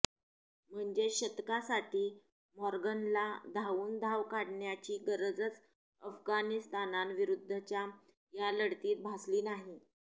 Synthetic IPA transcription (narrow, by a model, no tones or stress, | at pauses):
m̤əɳd͡zeɕət̪kasaʈiː | mɔɾɡənlad̪ʱaʋuːnd̪ʱaʋkaɽɳjat͡ɕiːɡəɾəd͡zət͡s | əfɡanist̪ananʋiɾud̪ʱːət͡ɕja | jaləɽt̪iːt̪̚bʱasliːnaɦi